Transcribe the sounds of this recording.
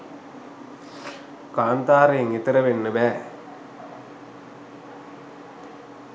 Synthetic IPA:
kaːnt̪aːɾeiŋit̪ɐɾɐʋenːɨbɛː

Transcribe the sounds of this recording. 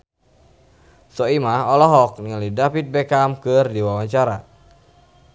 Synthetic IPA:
sɔimaɔlɔɦɔk̚niŋalidafit̪̚bɛkamkɨrdiwawaɲt͡ʃaɾa

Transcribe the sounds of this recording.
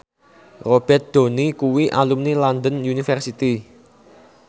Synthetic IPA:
rob̥ɛt̪̚d̪̥o̤nikuwiʔalumniland̪ənjunifɛrsit̪i

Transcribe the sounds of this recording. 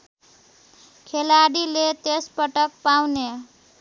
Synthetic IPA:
kʰelaɽilet̪espʌʈʌkpawne

